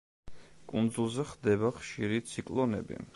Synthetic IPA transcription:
kʼund̪zulˠzɛχd̪ɛbaχʃiɾit̪sʰikʼlˠɔnɛ̰bḭ

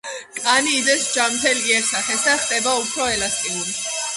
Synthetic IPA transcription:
kʼaniːd̪ɛsd͡ʒamt̪ʰɛliɛsaχɛsd̪aχd̪ʼɛbaupʰɾɔɛlast̪ʼiuɾi

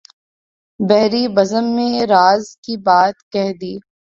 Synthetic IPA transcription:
bɛɦɾibɐzəmːẽɾaːzkibaːt̪kɛɦd̪iː

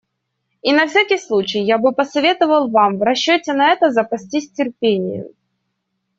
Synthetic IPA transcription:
inɐfsʲakʲɪjslˠut͡ɕɪjjabɨpəsɐvʲe̞t̪əvəlˠvamvɾɐɕːɵtʲɪnɐɛt̪əzəpɐsʲtʲisʲtʲɪrpʲenʲɪ̰jʊ̰

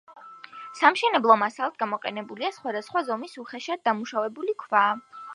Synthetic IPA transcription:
samʃɛnɛblˠɔmasalˠat̪̚ɡamɔqʼɛ̰nɛbuliasχwad̪asχwazɔmisuχɛʃad̪̚d̪amuʃavɛbulikʰvaː

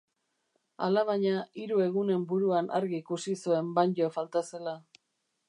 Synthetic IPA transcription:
a̰laβaɲaiɾue̞ɣ̞une̞mbuɾuanʔaɾɣiːkusisue̞mbaɲɟofalt̪ase̞la

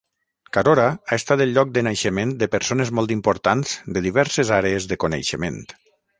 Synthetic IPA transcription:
kaɾoɾaaest̪at̪əlˠʎɔk̚d̪ənajʃəmend̪əpəɾsonəzmɔlˠt̪̬impoɾt̪anz̥d̪əðiβɛɾsəzaɾeəzðəkonḛjʃəmḛnt̪

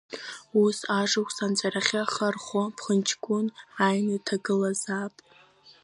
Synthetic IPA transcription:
usaʐakʷʰʼsant͡sʷʼaɾaχʲaχarχʷopʰχənt͡ʃʰkʷʼʊnajnatʰaɡɨlazapʼ

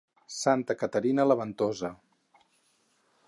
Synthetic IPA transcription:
sant̪əkət̪əɾinələβənt̪ozə

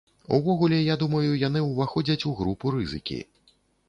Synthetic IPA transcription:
ṵvɔɣulʲɛjad̪umɐjujan̪ɨwvaxɔd͡zʲɐt͡sʲuɣɾupuɾɨzɨkʲḭ

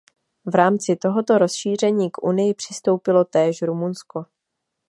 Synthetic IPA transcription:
vɾaːmt͡sɪt̪o̞ɦo̞t̪o̞ɾo̞sʃiːr̝ɛɲiːkʔunɪjɪpr̥ɪst̪o̞wpɪlo̞t̪ɛːʃɾumunsko̞

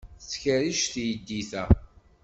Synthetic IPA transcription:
θt͡sːçəɾiʃθjəd̪ːiθæ

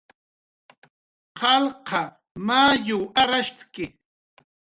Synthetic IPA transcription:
qɑlqɑ | maːjʊaɾaʃt̪kɪ

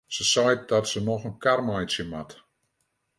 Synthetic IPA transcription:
səsɔj̚dɔtsənɔxənkarmajsjəmat

